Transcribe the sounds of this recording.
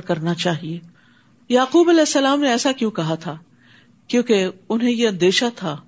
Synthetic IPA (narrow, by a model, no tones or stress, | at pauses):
kɐɾnat͡ʃaːɦieː | jaːquːbɐlɛːsːɐlaːmneɛːsakjũːkɐɦat̪ʰaː | kjõːkeʊnɦẽjeɐ̃nd̪eːʃat̪ʰaː